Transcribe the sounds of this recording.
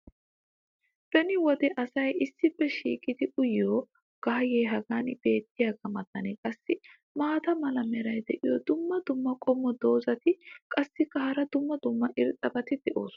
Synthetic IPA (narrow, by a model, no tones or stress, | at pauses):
b̥ɛnɪwɔd̪ɛʔɐsɐjɪsːɪpːɛʃiːkʼɪd̪ɪʔʊjjoː | ɡ̥ɐɦɐjeːɦɐɡaːnb̥e̞ːt̪ːɪjaːɡɐmɐt̪ːɐnɛkʼɐsːɪ | maːt̪ɐmɐlɐmɛɾɐjd̪ɛʔɪjɔd̪ʊmːɐd̪ʊmːɐkʼɔmːɔd̪o̞ːzɐt̪ɪkʼɐsːɪkːɐhɐɾɐd̪ʊmːɐd̪ʊmːɐʔɪɾt̪ʼːɐbɐt̪ɪd̪ɛʔo̞ːsʊ